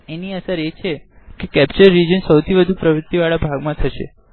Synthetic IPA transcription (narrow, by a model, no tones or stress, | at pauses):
eniəsəɾet͡ʃʰe | kekɛp̚t͡ʃəɾːid͡ʒənsəwt̪ʰiʋəd̪ʱupɾəʋɾut̪iʋaɭabʱaɡmãt̪ʰəʃḛ